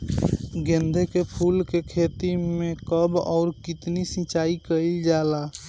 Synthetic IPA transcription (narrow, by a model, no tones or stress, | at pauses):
ɡẽnd̪ʱekepʰulkekʰet̪imekəbɔ̰ːɾkit̪nisĩt͡ʃaikəɪld͡ʒala